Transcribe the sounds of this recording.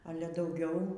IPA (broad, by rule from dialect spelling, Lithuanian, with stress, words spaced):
ˈɑːlʲɛ dɐʊˈɡʲɛʊ